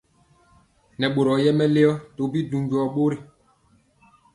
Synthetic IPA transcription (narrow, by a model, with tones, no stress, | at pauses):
nɛ˨ɓo˨ɾɔ˨jɛ˦mɛ˦le˦ɔ˦to˨˦bi˦du˨ɲɟɔ˨ɓo˦ɾi˨